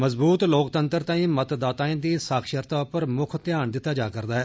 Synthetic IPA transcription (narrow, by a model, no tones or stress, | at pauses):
məzbuːt̪loːkt̪ənt̪əɾt̪ãːĩːmət̪d̪aːt̪aːẽːd̪iːsaːkʰʃəɾt̪aːʊpəɾmʊkʰt̪ɪjaːnd̪ɪt̪ːaːd͡ʒaːkəɾd̪aːɦɛː